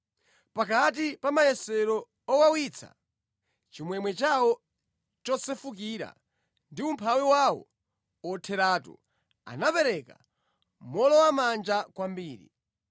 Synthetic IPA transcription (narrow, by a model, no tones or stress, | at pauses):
pakat̬ipamajɛsɛɾɔ | ɔwawit͡sʰa̰ | t͡ʃimwɛmwɛt͡ʃawɔ | t͡ʃɔsɛfukiɾa̰ | ndiumpʰawiwawɔ̰ | ɔtʰɛɾaːtɔ̰ | a̰napɛɾɛka̰ | mɔlɔwamand͡ʒakwambiːɾḭ